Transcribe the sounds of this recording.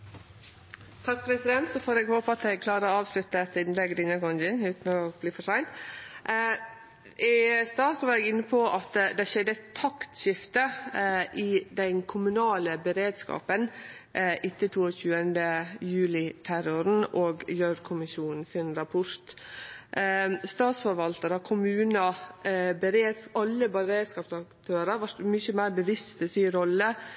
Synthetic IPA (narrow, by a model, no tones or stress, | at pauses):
t̪ʰɑk̚pʰɾɛsɪd̪ɛnt̪sɔfoːɾɛːɡhoːpəɑt̪ɛɡ̚kʰlɑːɾəɔɑːʋslʉt̪ːəɛt̪ːɪnlɛɡd̪ɪnːəɡɔŋd͡ʒɪnʉːt̪n̩ɔb̥liːfɔʂæɪnt̪ | ʔɪst̪ɑːsɔʋɑɾɛɡɪnːəpʰɔʔɑt̪d̪ɛʃɛd̪ːət̪ʰɑkt̪ʃɪft̪əʔɪd̪ɛnkʰʊmʉnɑːləbəɾeːd̪skɑ̰ːpən | ʔɪt̪ːət̪ʰuːɔçʉːənd̪əjʉːlɪt̪ʰæɾʊɾn̩oːɡjøːɾkʰʊmɪʃuːnn̩sɪnɾɑpʰʊɾt̪ | st̪ɑːt̪sfɔɾʋɑlt̪əɾɔkʰʊmʉːnə | bəɾeːd̪sɑlːəbɑɾeːd̪skɑːpsɑkt̪ʰøːɾəɾʋɑʈ̪mʏçəmæɪɾbəʋɪst̪ɛsiːɾɔlːə